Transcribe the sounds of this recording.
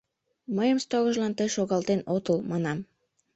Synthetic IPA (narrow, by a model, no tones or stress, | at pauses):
məjəmst̪ɑɣəʒlɑnt̪əjʃoɣɑlt̪enot̪əlmɑnɑm